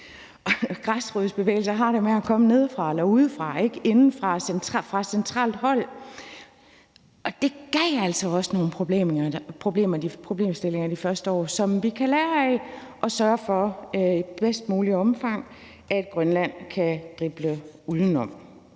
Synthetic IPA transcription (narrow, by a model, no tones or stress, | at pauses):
ɡ̥ʁasʁyð̩ˠsb̥e̝ʋḛːl̩sɐɦɑ̈ɾ̥e̝meækʰɒ̽məne̝ð̞ˠfʁɑ̈elɐuðð̞ˠfʁɑ̈e̝ɡ̥e̝nn̩fʁɑ̈sent͡sʰɑfʁɑ̈sent͡sʰʁɑ̰̈ːld̥hɒ̽l̰ | ʔɒ̽d̥e̝ɡ̥ɛɪ̰æl̰sɒɒ̽sə̥no̝ːn̩pʰob̥le̝̰ːmpʰo̝b̥le̝̰ːmɐd̥ipʰʁo̝b̥le̝̰ːmsd̥e̝le̝ŋɐd̥ifɶɐsd̥əɒ̰ːsɒ̽mʋikʰælæːɐɛʔɒ̽sɶɐfɒ̽øib̥esd̥muːliɒ̽mfɑ̈ŋ̰ | ʔæ̝d̥̚ɡ̥ʁɶnlæn̰kʰæd̥ʁib̥ləuð̞ˠn̩ɒ̽m̰